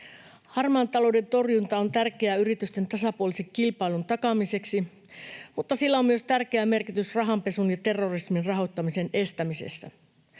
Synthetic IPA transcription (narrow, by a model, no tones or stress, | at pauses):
hɑrmɑːnt̪ɑlo̞wde̞nt̪o̞rjunt̪ɑo̞nt̪ærke̞æyɾit̪yst̪e̞nt̪ɑsɑpuolise̞kkːilpɑilunt̪ɑkɑmise̞ksi | mut̪ːɑsilːæo̞mmyø̞st̪ærkeæme̞rkit̪ysrɑɦɑmpe̞sunjɑt̪e̞rːo̞risminrɑɦo̞t̪ːɑmise̞ne̞st̪æmise̞̰sːæ̰